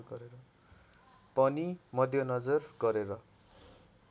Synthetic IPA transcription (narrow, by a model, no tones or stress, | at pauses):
ɡʌɾeɾʌ | pʌnimʌd̪ʱjʌnʌd͡zʌrɡʌɾeɾʌ